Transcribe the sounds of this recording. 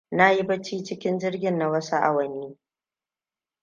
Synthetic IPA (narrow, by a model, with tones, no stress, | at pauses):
na˦ji˦bɐ˦t͡ʃiː˦t͡ʃɪ˦kʲɪ˦nd͡ʒɪ˦rɡʲɪ˨nːa˨wɐ˦sa˦ʔa̰˨wɐ˨niː˦